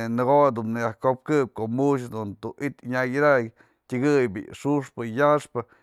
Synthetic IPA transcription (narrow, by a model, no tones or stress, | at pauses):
nɨɡod̪umnɨjahkop̚kɨp̚koʔmuʃ̬d̪unt̪uʔit̪ɲajd̪ak | tʲɨɡɨjbḭʂuʂpɨjaʂpɨ